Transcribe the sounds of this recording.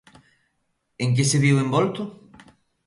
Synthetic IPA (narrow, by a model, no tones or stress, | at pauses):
eŋk̬ɪseβiwembɔlt̪ʊ